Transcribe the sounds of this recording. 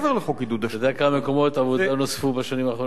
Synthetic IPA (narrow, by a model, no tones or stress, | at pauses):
veʁleχokid̪ud̪ajodejakamameko̞mo̞t̪avodanosfubaʃanimaːχo